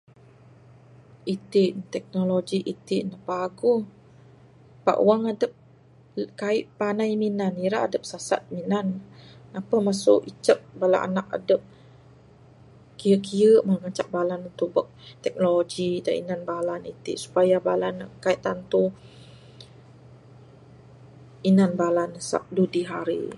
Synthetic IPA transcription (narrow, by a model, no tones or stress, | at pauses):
it̪ɪʔt̪ɛk̚noloɡiʔit̪ɪʔnapaɡu | pa̰ʔṵwaŋadəp̚ | kaɪʔpanajminaniɾaʔadəp̚sasa̰t̪̚minanapəmasʊʔit͡ʃəp̚bala̰ʔa̰nak̚a̰dəp̚ | kijəʔkijəʔməŋat͡ʃaʔ̚balanunt̪uʔ̚bək̚t̪ɛk̚noloɡida̰ʔḭnanbalanit̪ḭʔsu̥pajabalankaiʔt̪ant̪u | inanbalansa̰p̚dudiɦaɾḭ